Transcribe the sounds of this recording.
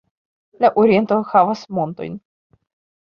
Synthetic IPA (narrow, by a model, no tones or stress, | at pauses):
laʔoɾʲijent̪oxavasmont̪o̰jn